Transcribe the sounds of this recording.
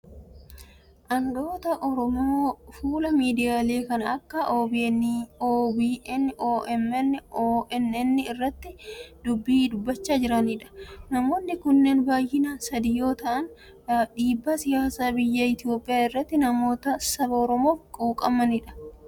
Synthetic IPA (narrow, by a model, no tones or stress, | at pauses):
ʔɐnd̪o̞ːt̪ɐʔɔɾɔmoːfuːlɐmiːd̪ɪjaːle̞ːkɐnɐɐkːɐʔoːbinːoːbiːʔɛnːʔoːʔɛmɛnːoːʔɛnɛnːɪɪrːɐt̪ːɪd̪ʊbːiːd̪ʊbːɐt͡ʃːaːd͡ʒɪɾɐniːᶑɐ̥nɐmo̞ːnːɪkʊnːeːnbaːjʔɪnɐsɐd̪ɪjo̞ːt̪ɐʔɐn | ᶑiːbːɐsɪjaːsaːbɪjːɐɪt̪ɪjoːpʼːɪjaːɪrːɐt̪ːɪnɐmo̞ːt̪ɐsɐbɐɔɾɔmo̞ːfkʼuːkʼɐmɐnɪᶑɐ̥